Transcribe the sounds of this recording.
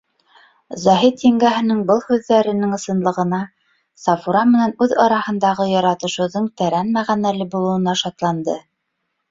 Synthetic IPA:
zɑɦit̪iŋɡæɦɘ̆nɘŋbɤlˠhʉðːæɾɘ̆nɘŋɤ̆sɤ̆nlˠɤ̆ʁɤ̆nɑ | sɑfuɾɑmɘ̆nænʉðɑɾɑhɤ̆nd̪ɑʁɤjɑɾɑt̪ɤ̆ʃɤ̆wðɤɴt̪æɾænmæʁænælɘbulˠɤ̆wɤ̆nɑʃɑt̪lˠɑnd̪ɤ

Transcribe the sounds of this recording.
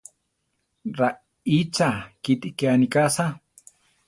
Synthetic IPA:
ɾa | it͡sakit̪ikeanikasa

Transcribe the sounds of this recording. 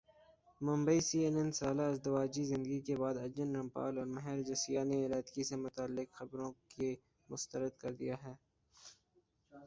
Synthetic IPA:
mʊ̃mbəisiːenɛ̃nsaːlaɪzd̪ɐʋaːd͡ʒizɪ̃nd̪əɡikebaːd̪ɐd͡ʒənɾɐ̃mpa̰ːlɔːɾmɐɦɛːɾd͡ʒɐsijaneɪlaːt̪kisemʊt̪aːlːɪkxɐbɾõke | mʊst̪əɾəd̪̚kɐɾd̪ijaɦɛː

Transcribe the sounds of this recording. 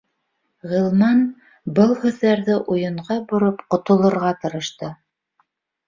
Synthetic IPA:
ʁɤ̆lˠmɑn | bɤlˠhʉ̆ðːæɾðɘʔujɤ̆ɴʁɑbŏɾɤpqŏt̪ŏlˠɤ̆ɾʁɑt̪ɤ̆ɾɤ̆ʃt̪ɤ

